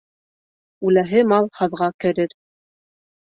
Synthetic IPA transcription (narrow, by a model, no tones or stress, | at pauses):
ʉlæɦɘmɑlˠhɤ̆ðʁɑkɘ̆ɾɘɾ